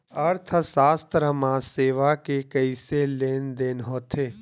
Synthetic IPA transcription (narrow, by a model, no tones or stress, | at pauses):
əɾt̪ʰsaːst̪ɾəmãseːʋakekəiseleːnd̪eːnɦoːt̪ʰeː